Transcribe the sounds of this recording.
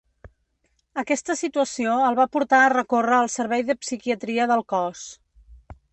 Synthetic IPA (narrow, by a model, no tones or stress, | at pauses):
əkɛst̪əsit̪uəsioəlˠβapuɾt̪aːrəkorəːlˠsəɾβɛjðəpsikiət̪ɾiəðəlˠkɔs